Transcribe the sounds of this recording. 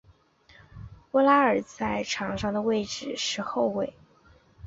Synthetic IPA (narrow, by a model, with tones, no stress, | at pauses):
wə˥la˥ə˞˨˩t͡sa˥˧ɪʈ͡ʂʰɑ˧˥ŋʂɑ˥˧ŋd̪ə˩we˥˧ɪʈ͡ʂɻ̩˨˩ʂɻ̩˥˧xo˥˧ʊwe˥˩ɪ